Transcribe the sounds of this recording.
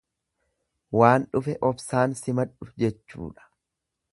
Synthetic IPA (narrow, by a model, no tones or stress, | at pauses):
waːnᶑʊfɛʔɔbsaːnsɪmɐᶑʊfd͡ʒɛt͡ʃːṵːᶑɐ̥